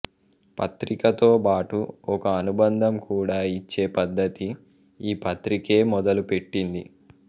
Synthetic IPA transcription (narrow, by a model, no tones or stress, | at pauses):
pɐt̪ɾikɐt̪o̞ːbaːʈuɔkɐːnubɐnd̪ʱɐmkʰuːɽaːit͡ʃːe̞ːpɐd̪ːɐt̪i | iːpɐt̪ɾike̞ːmɔd̪ɐlupe̞ʈːind̪i